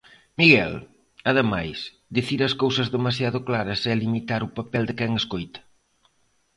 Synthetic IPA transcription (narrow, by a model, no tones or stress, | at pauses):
miɣɛl | ɐðɪmajs | d̪iθiɾɐskowsɐzðemas̬jaðʊklaɾɐsɛlimit̪aɾʊpapɛld̪ɪkɛŋeskojt̪ɐ̥